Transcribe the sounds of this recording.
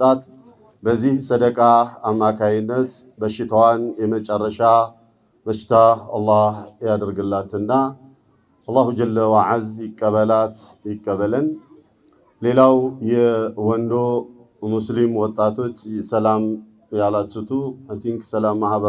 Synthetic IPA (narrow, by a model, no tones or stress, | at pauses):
t̪ʼat̪ | bəzːihsəd̪əkʼaamːakʰajɪnːət̪ | bəʃɪt̪ʰawanjɛmət͡ʃʼərːəʃa | bəʃːɪ̥t̪ʰaalːɑhjad̪əɾɡɨlːat̪ɨnːa | ʔɑlˤːahud͡ʒəlːəwaʕazjɪkʼːəβəlat̪jɪkʼːəβələn | le̞lawjɛwɔnd̪o̞ | muslimwɔt̪ʼːat̪ʰo̞t͡ʃːsəlam | jalat͡ʃːut̪ʰumat̪iŋksəlamːahβə